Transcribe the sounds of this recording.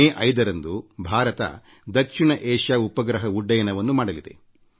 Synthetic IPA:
eːʔɐjd̪ɐɾɐnd̪ubʱaːɾɐt̪ɐ̰ | d̪ɐkʂiɳɐʔeːʂjaːupɐɡɾɐɦɐuɖːɐjɐnɐʋɐnːumaːɽɐlid̪e̞̰

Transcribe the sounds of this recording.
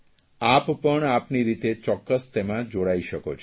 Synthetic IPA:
appəɳ̃apniɾit̪et͡ɕɔkːəst̪emad͡ʑoɽajʃɔkot͡ɕʰ

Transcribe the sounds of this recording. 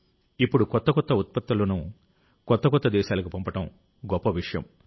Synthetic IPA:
ipːuɽukɔt̪ːɐkɔt̪ːɐut̪̚pɐt̪ːulɐnu | kɔt̪ːɐkɔt̪ːɐd̪ɛːʃaːlɐkipɐmpɐʈɐm | ɡɔpːɐʋiʂɐjɐ̰m

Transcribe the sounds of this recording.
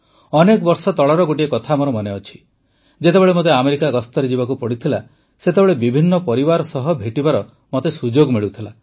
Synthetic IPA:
ɔnekbɔɾsɔt̪ɔɭɔɾɔɡoʈiekɔt̪ʰamɔɾɔmɔneɔt͡ʃʰi̥ | d͡ʒet̪ebeɭemot̪̬eameɾikaɡɔst̪ɔɾed͡ʒibakupɔɽit̪ʰila | set̪ebeɭebibʱinːɔpɔɾibaɾɔsɔɦɔbʱeʈibaɾɔ | mot̪esud͡ʒoɡmiɭut̪ʰila

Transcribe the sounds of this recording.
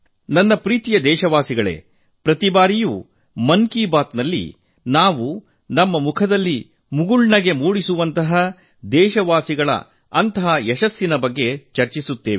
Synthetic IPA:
nɐnːɐpɾiːt̪ijɐd̪ɛːʃɐʋaːsiɡɐɭe̞̰ | pɾɐt̪ibaːɾijuː | mɐnkiːbaːt̪nɐlːḭ | naːʋu | nɐmːɐmukʰɐd̪ɐlːi | muɡuɭɳɐɡe̞muːɽisuʋɐnt̪ɐɦɐ | d̪ɛːʃɐʋaːsiɡɐɭɐ̰ | ɐnt̪ɐɦɐjɛʃɐsːinɐbɐɡːe̞t͡ʃɐɾt͡ʃisut̪ːeːʋi

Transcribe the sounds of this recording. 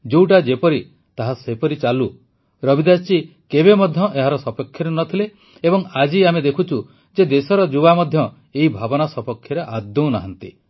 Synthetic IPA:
d͡ʒuwʈad͡ʒepɔɾi | t̪aɦasepɔɾit͡ʃalu | ɾɔbid̪at͡ʃi | kebemɔd̪ʱjɔʔeɦaɾɔsɔpekʰːjɔɾenɔt̪ʰile | ebɔŋad͡ʒiamed̪ekʰut͡ʃʰu | d͡ʒed̪esɔɾɔd͡ʒubamɔd̪ʱjɔ | eɦibʱabɔnasɔpɔkʰːjɔɾeʔad̪ːũnaɦant̪i

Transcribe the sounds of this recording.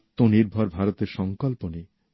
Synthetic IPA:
t̪oniɾbʱɔɾbʱaɾot̪eɾʃɔŋkɔlpone

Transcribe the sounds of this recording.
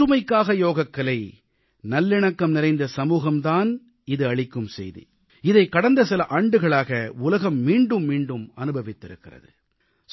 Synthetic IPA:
ɯmɐɪkːaːɣɐjoːɣɐkːɐlɐɪ | nɐlːɪɳɐkːɐmnɪɾɐɪnd̪ɐsɐmuːɣɐmt̪aːn | ɪðɯɐɭɪkːɯmsɛ̰jðḭ | ɪðɐɪkːɐɽɐnd̪ɐsɪlɐʔaːɳɖɯɣɐɭaːɣɐʊlɐɣɐmːiːɳɖɯmːiːɳɖɯmɐnɯbʱɐʋɪt̪ːɪɾɯkːɪrɐ̰ðɯ

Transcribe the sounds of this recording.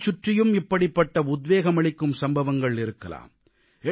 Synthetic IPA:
t͡ʃːʊʈrɪjɯmɪpːɐɽɪpːɐʈːɐʊd̪ʋeːɣɐmɐɭɪkːɯmsɐmbɐʋɐŋɡɐɭɪɾɯkːɐla̰ːm | ɛ

